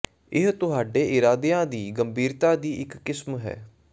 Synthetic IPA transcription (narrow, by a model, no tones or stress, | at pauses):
ɪɦt̪ʊɦaːɖeːʔɪɾaːd̪eːãːd̪iːɡəmbʱiːɾt̪aːd̪iːɪkːɪsmɦɛ̰ː